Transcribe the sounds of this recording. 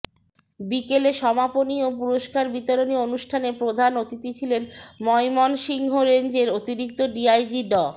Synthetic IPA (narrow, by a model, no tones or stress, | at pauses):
bikeleʃɔmaponiopuɾoʃkaɾbit̪oɾonionuʃʈʰanepɾod̪ʱanot̪it̪it͡ɕʰilenmɔjmɔnʃiŋɦoɾend͡ʑeɾot̪iɾik̚t̪oɖiajd͡ʑiɖɔ